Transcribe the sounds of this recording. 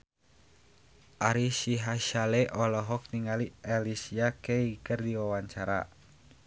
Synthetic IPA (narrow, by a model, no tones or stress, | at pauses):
ʔaɾisiɦaʃalɛʔɔlɔɦɔk̚niŋaliʔɛlisiakeikɨrdiwawaɲt͡ʃaɾa̰